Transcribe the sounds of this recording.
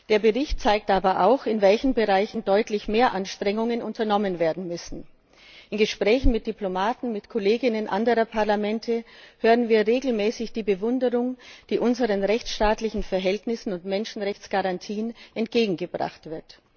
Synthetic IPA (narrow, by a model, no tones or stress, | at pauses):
d̥eːɐbəʁɪçtt͡saɪk̚tʔaːbɐʔa̰ʊxɪnvɛlçn̩bəʁaɪçn̩dɔʏtlɪçmeːɐʔanʃtʁ̥ɛŋʊŋənʔʊntɐnɔmənveːɐdn̩mʏsn̩ | ʔɪnɡəʃpʁ̥ɛːçn̩mɪt̚d̥iplomaːtn̩mɪtkʰoleːɡɪnənʔa̰ndəʁɐpʰaɐlamɛntʰəhøːʁənviːɐʁeːɡl̩mɛːsɪçd̥iːbəvʊndəʁʊŋd̥iːʔʊnzəʁənʁɛçt͡sʃtaːtlɪçn̩fɛɐɦɛltnɪsn̩ʊntmɛnʃn̩ʁɛçt͡sɡ̥aʁantʰiːənʔɛntɡ̥eːɡŋ̩ɡəbʁa̰χtv̥ɪɐt